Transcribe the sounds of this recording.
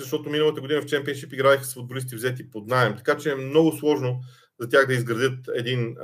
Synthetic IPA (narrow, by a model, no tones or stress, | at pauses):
zɐʃt̪ɔt̪ominəlˠət̪əɡod̪inəft͡ʃɛmpiɛnʃipiɡɾaɛxəsfʊd̪bolist̪ivzɛt̪ipod̪naɛmt̪ɐ̥kat͡ʃɛːmnɔɡʊslˠɔʒno | zɐt̪ʲjaɣd̪ɐizɡɾɐd̪jɤt̪ɛd̪in